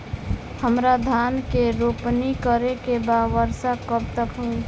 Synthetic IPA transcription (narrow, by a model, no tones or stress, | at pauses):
həmɾad̪ʱaːnkeɾoːpnikəɾekebaʋəɾsakəb̚t̪əkɦoi